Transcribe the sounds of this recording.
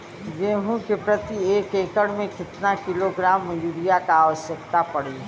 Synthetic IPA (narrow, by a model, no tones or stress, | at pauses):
ɡeːɦũkepɾɐt̪ieːkeːkəɽmẽkɪt̪nakɪloɡɾaːmːjuːɾijakaaːʋəʃjəkt̪apɐɽe